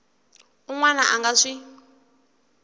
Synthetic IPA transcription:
uŋwanaʔaŋɡaʂi

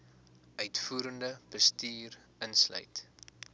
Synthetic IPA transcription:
œɥtfuːɾəndəb̥əstyːr | ənslœ̰ɥt

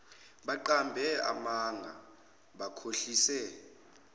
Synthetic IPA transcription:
ɓaǃambʱɛa̰maŋa̰ | ɓakʰoɬiːsɛ

